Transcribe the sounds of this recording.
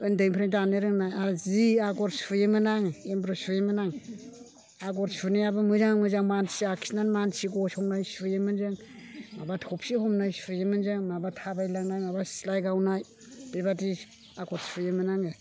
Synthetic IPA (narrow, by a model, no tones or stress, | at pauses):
ɯndɯŋpʰɾeŋdanɯɾɯŋnajaɾziaɡɔɾsfɯjemɯnaŋembɾosfɯjemɯnaŋ | aɡɔɾsfɯnejabamɯzaŋamɯzaŋmansiakʰisnanmansiɡoshɔŋnajsfɯjemɯnzɯŋ | mabatʰɔpsihomnajsfɯjemɯnzɯŋmabatʰabajlaŋnajmabasilajɡawnaj | b̥ebadi | aɡɔɾsfɯjemɯnaŋɯ